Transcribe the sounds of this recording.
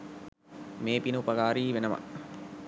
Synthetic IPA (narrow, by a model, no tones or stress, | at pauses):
meːpinəupɐɡaːɾiːʋenəʋa̰